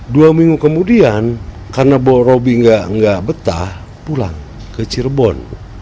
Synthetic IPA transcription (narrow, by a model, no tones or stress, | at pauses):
duamiŋɡukəmudian | karnabɔrobiŋɡaʔŋɡaʔbət̪a̰h | pula̰ŋ | kət͡ʃirbɔn